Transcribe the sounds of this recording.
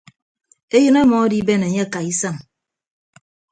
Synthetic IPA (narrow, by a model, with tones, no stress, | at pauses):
e˦jɨ˦ne˦mɔ˨˦di˦be˦ne˨ɲe˦˨ka˨i˦sa˦˨ŋ